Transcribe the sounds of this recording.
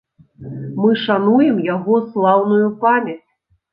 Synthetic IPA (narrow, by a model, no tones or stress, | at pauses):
mɨʂanujɛmjaɣɔslˠawnujupamʲɛt͡sʲ